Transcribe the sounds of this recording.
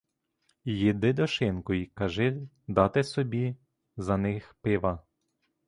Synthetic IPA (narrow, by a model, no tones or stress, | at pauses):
jid̪ɪd̪ɔʃɪnkɔjikɐʒɪ | d̪ɑt̪ɪsɔbʲi | zɐnɪxpɪʋɐ